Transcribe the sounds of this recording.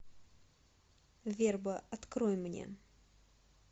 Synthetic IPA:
vʲerbəɐt̪kɾɔjmnʲḛ

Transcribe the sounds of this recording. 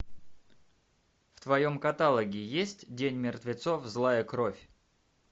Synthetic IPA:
ft̪vɐjo̞mkɐt̪alˠəɡʲɪjesʲtʲdʲenʲmʲɪrt̪vʲɪt̪sofzlˠajəkɾo̞fʲ

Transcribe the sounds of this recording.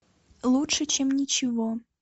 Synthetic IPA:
lˠutʂət͡ɕemnʲit͡ɕɪvo

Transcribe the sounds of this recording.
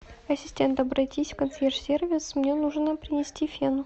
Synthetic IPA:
ɐsʲɪsʲtʲe̞nt̪ɐbɾɐtʲisʲfkɐnt̪sʲerʂsʲervʲɪsmnʲenuʐnəpɾʲɪnʲɪsʲtʲifʲenʊ

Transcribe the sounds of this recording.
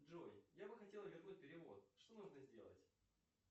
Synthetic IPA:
ʐojjabɨxɐtʲe̞lˠəvʲɪrnut̚ʲpʲɪɾʲɪvo̞̰t̪̚ʂt̪o̞nuʐnəzʲdʲe̞̰lˠə̰tʲ

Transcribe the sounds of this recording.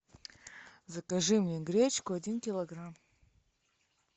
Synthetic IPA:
zɐkɐʐɨmnʲeɡɾʲet͡ɕkʊɐdʲinkʲɪlˠɐɡram

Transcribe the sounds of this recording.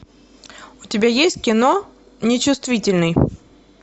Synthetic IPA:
ʊtʲɪbʲajesʲtʲkʲɪno | nʲɪt͡ɕʊst̪vʲitʲɪlʲnɨj

